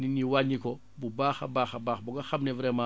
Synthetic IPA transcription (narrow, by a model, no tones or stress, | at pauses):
niniwaɲikɔ | bubaːxa̰baːxabaːxbuɡaxamnevɾɛːma